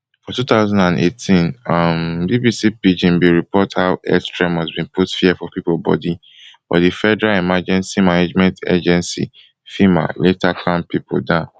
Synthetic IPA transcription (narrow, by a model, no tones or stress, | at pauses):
fɔtut̪aʊzãndãndetʰĩnʌmbibisipid͡ʒĩnbiɹipɔthaʊɛ̰stɹɛ̃mɔzbĩnpʰutfiɛfɔpipolbɔ̰di | fɔ̰difɛdɛɹalimad͡ʒɛ̃nsimaned͡ʒmɛ̃ntḛd͡ʒɛ̃nsḭ | fima̰letakʰãmpipʰo̰ldãʊ̃n